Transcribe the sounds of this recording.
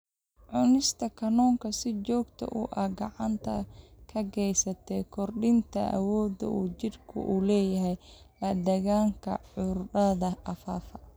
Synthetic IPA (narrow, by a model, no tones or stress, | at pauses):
ʕʊnɪst̪ʰɐkʰɐnɔːŋkʰɐsɪt͡ʃɔːɡt̪ʰɐ̰ʔʊʔɐhɡɑʕɑnt̪ʰɐkʰɐɡɛjsɐt̪ʰɛkʰɔrɗɪnt̪ʰɐ̰ʔɐ̰wɔːd̪ɐ̰ʔuːd͡ʒɪrkʰʊ̰ʔulɛːjɐɦɛj | lɐd̪ɐɣaːŋkʰɐ̰ʕʊrɖɐðɐʔɐfaːfɐ